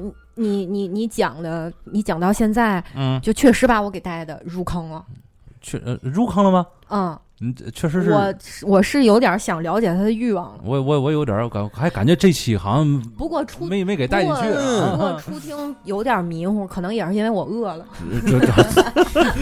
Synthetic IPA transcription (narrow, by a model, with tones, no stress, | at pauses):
ni˧˩ni˧˥ni˧˥t͡ɕjɑ˨˩ŋd̪ə˦ni˧˥t͡ɕjɑ˨˩ŋt̪ɑ˥˧ʊɕjɛ˥˧nt͡sa˥˩ɪn̩˥˩t͡ɕo˥˧ʊt͡ɕʰɥɛ˥˩ʂɻ̩˧˥ba˨˩wɔ˧˥ke˨˩ɪt̪a˥˩ɪd̪ə˨˩ɻu˥˩kʰɑ˥ŋlɐ˨˩ | t͡ɕʰɛ̰˥˩˧ɻu˥˧kʰɑ˥ŋlə˧mɐ˨ | ə˥˧ | n̩˧t͡ɕʰɥɛ˥˩ʂ̬ɻ̩˧˥ʂɻ̩ɔ˧˨˩wɔ˨˩ʂɻ̩˥˩jo˧˥ʊt̪jɐ˞˨˧˥ɕjɑ˨˩ŋljɑ˧˥t͡ɕjɛ˨˩t̪ʰa˥d̪ə˧y˥˧wɑ˥˨˩ŋɔ˧˩wɔ˧˥wɔ˧˥jo˧˥ʊt̪̬jə̰˨˩˥ka˨˩nxa˧˥ka˨˩nt͡ɕɥɛ˧˥ʈ͡ʂe˥˧t͡ɕʰi˥˩xɑ̰˨˩ʊɕŋpu˧˥kwɔ˥˧˩ʈ͡ʂʰu˥me˧˥ɪm˧˥˧ke˨˩ɪta˥˧ɪ˥t͡ɕʰy˥u˧kɔ˥˩ʈ͡ʂʰu˥t̪ʰi˥ŋjo˧˥ʊt̪jɐ˨˩mi˧˥ŋxɔ˥kʰɤ˨˩nɤ˧˥ŋjɛ˨˩ʂɻ̩˥˧i˥n˥e˥ɪwɔ˨˩ɤ˥˩lə˩˥˩